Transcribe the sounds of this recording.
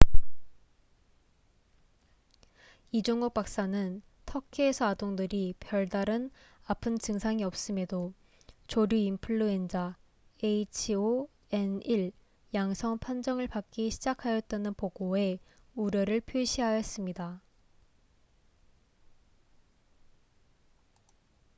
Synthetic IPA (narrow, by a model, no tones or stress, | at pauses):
id͡ʑoŋɡok̚p͈ak̚s͈anɯn | tʰʌkʰiesʰʌadoŋdɯɾipjʌɭdaɾɯnapʰɯnt͡ɕɯŋsʰaŋiʌp̚s͈ɯme̞do | t͡ɕoɾjuimpʰɯɭːuend͡ʑa | eit͡ɕʰio | e̞niɭ | jaŋsʰʌŋpʰand͡ʑʌŋɯɭpak͈̚iɕʰid͡ʑakʰajʌt̚t͈anɯnpoɡoe̞ | uɾjʌɾɯɭpʰjoɕʰiɦajʌs͈ɯmɲida